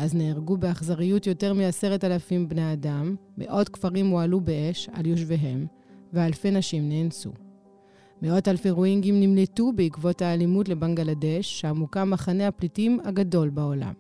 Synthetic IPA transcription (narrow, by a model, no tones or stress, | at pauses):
ʔazneːʁɡubeaχzaʁijutjo̞te̞ʁmiase̞ʁetalafimbne̞adamː | e̞̰ʔo̞tkfaʁimoalube̞ʔe̞ʃa̰ljo̞ʃ̬veɦe̞m | vealfe̞naʃimne̞ːnsṵ | meo̞talfeʁuiŋɡimnimletubeikvo̞thaːlimutle̞baŋɡalade̞ʃːeamukamːaχane̞haplitimaɡado̞lbao̞la̰m